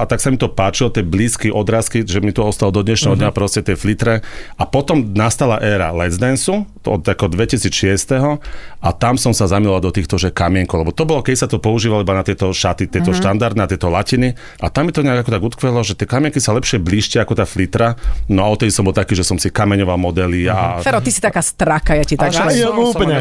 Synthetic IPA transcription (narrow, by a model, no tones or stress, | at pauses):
at̪aksamit̪ɔpaːt͡ʃilɔt̪ɛbliːskiʔɔd̪ɾaːskiʒɛmit̪ɔɔst̪alɔd̪ɔd̪ɲɛʃnɛɦɔd̪ɲapɾɔscɛt̪ɪɛflit̪ɾɛʔapɔt̪ɔmnast̪alaʔɛːɾa̰lɛzd̪ɛnsu | ɔ̰d̪akɔd̪ʋɛcisiːt͡sʃɪɛst̪ɛɦɔat̪amsɔmsazamilɔald̪ɔt̪iːxt̪ɔʒɛkamɪɛŋkɔʊlɛbɔt̪ɔbɔlɔkɛd̪isat̪ɔpɔuʒiːʋalɔibanat̪ɪɛt̪ɔʃat̪it̪ɪɛt̪ɔʃt̪and̪aɾd̪nat̪ɪɛt̪ɔlacini | ʔa̰t̪amːit̪ɔɲɛaɡakɔt̪aɡut̪kʋɛlɔʒɛt̪ɪɛkamɪɛŋkisalɛpʃɪɛbliːʃcaakɔt̪aːflit̪ɾanɔaɔt̪t̪ɛd̪isɔmbɔlˠt̪akiːʒɛsɔmsikamɛɲɔʋalmɔd̪ɛliafɛɾɔt̪isi̥t̪akaːst̪ɾakajacit̪auːpɲɛ